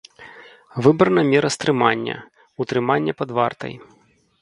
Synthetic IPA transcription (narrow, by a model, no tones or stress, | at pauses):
vɨbɾɐnɐmʲɛɾɐst̪ɾɨmanʲːɐ̰ | ut̪ɾɨmanʲːɐpɐd̪va̰rt̪ɐ̰j